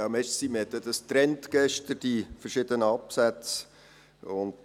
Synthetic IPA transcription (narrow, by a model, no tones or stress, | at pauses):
amɛʃtsiməhɛt̪ːəd̪əst̪ɾɛntɡ̥ɛʃtəɾd̥ifərʃɪdənəɑpsæt͡s | ʊnd